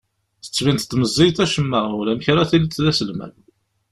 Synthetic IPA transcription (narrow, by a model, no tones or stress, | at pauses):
θə̥t͡sːvint̪t̪ːməzˤːijt̪æʃəmːəʁʊlæmçɾˤɑθilət͡s̪ːðæsəlmæ̰l